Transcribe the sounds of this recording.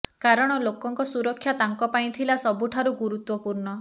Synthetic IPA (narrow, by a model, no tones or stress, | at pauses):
kaɾɔɽ̃ɔlokɔŋkɔsuɾɔkʰːjat̪aŋkɔpaj̃t̪ʰilasɔbuʈʰaɾuɡuɾut̪wɔpuɾɳɔ